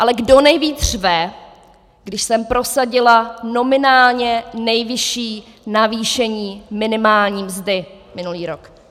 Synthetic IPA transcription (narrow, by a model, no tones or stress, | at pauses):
ʔalɛɡdonɛjviːd̪r̥vɛ | ɡdɪʃsɛmpɾo̞saɟɪlano̞mɪnaːlɲɛnɛjvɪʃiː | naviːʃɛɲiːmɪnɪmaːlɲiːmzdɪ | mɪnuliːɾok